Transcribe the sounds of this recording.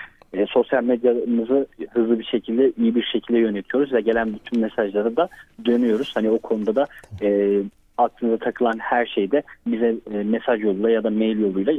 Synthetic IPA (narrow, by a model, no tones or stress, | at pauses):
ɛːso̞sjalʲmed̪janɯzɯhɯzlˠɯbiʃe̞cʰilʲd̪ɛʔijibiɾʃecʰilʲd̪ɛjø̞net̪ʰijo̞ɾuzvɛɟe̞lʲænbyt̪ʰynmesaʒlˠaɾɯd̪ad̪ø̞nyjo̞ɾuz̥haniokʰo̞nud̪ad̪aɛː | ak̪̚ˠɯnɯzat̪ʰakʰɯlˠanhæɾʃe̞jd̪ɛbizɛmesaʒjo̞lˠujlˠajad̪amejlʲjo̞lˠujlˠa